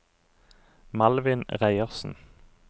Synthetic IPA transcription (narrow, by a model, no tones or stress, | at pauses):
mɑlʋɪnʁæɪəʁsn̩